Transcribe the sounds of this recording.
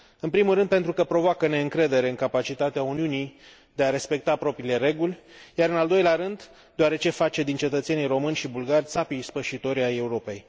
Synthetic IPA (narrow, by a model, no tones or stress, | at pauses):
ɨnpɾimulɾɨnd̪pe̞nt̪ɾukəpɾo̞voakəne̞ɨŋkɾe̞d̪e̞ɾe̞ɨŋkapat͡ʃit̪at̪eauniunij | d̪e̞aɾe̞spe̞k̚t̪apɾo̞pɾiːle̞ɾe̞ɡulʲjaɾɨnald̪o̞jleaɾɨnd̪ | d̪eoaɾe̞t͡ʃe̞fat͡ʃe̞d̪int͡ʃe̞t̪ət̪se̞nijro̞mɨnʲʃibulɡarʲsapiːspəʃit̪o̞ɾʲaje̞uɾo̞pe̞j